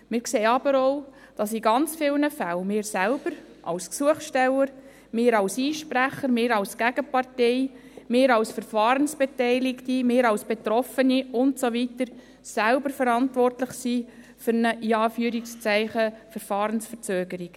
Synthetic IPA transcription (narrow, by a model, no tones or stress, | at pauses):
mɪːɾkseːɑbəɾɔʊ | d̥ɑsiɡɑnt͡sfɪlnəfælmeːɾsælb̥əɾ | ʔɑ̰lsksuəχsʃtɛləɾ | meːɾɑlsiːʃpɾæχəɾmeːɾɑlskæɡ̥əpɑrtɛɪ | meːɾɑlsfəɾfɑːɾənsb̥etɛɪlɪktimeːɾɑwsb̥etrɔfəniʊntsoʋitəɾ | sælbəɾfəɾɑntvʋɔrtləχsiː | fʏɾnəʔiɑːfyːɾɪkst͡sæɪχəfəɾfɑːɾənsfəɾt͡søːɡəɾik